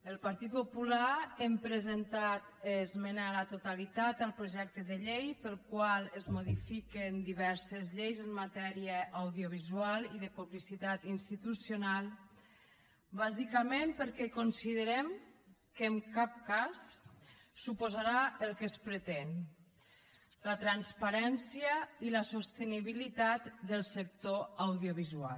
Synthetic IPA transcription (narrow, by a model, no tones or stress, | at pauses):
əlˠpaɾt̪it̪̚populaɛmpɾezent̪at̪ezmenalat̪ot̪alit̪at̪alˠpɾoʒɛk̚t̪əðəʎejpəlˠkwalˠezmoðifikend̪iβɛɾsezʎejzəmmat̪ɛɾiəʔːwðioβ̞izualiðəpuβlisit̪at̪inst̪it̪usjonalˠ | βazikəmempəɾkɛkonsiðəɾɛmkəːŋkap̚kasː | upozaɾaəlˠkəspɾət̪en | lət̪ɾanspaɾɛnsjəiləsost̪əniβilit̪at̪d̪əlˠsək̚t̪oawðioβizua̰l